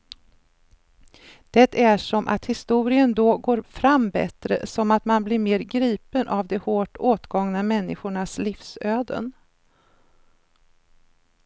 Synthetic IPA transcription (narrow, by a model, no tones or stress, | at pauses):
d̪̥ɛt̪æʂɔmʔa̰t̪hɪst̪uːɾɪənd̪ɔɡoːɾfɾambɛ̰t̪ɾə̰sɔmat̪manblɪɾmeːɾɡɾiːpənʔavd̪ɛhoːʈoːt̪ɡɔŋnamɛnːɪɧʊɳasliːfsøːd̪ə̰n